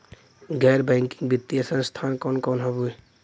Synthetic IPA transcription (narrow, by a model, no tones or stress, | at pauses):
ɡɛːɾbɛ̃ːŋkɪ̥̃ŋɡbɪt̪ːijəsə̃nst̪ʰaːnkɔːnkɔːnɦɐbue